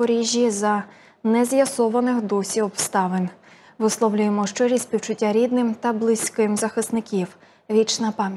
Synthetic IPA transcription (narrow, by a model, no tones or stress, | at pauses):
ɔɾʲiʒʲːizɐ | nɛzjɐsɔʋɐnɪxd̪ɔsʲiɔbst̪ɑʋɪnʲ | ʋɪslˠɔwlʲʊjemɔʃt͡ʃɔɾʲisʲsʲpʲiwt͡ʃʊtʲːaɾʲid̪nɪmt̪ɐblˠɪsʲkɪmzɐxɪst̪nɪkʲiw | ʋʲit͡ʃnɐpɑmʲj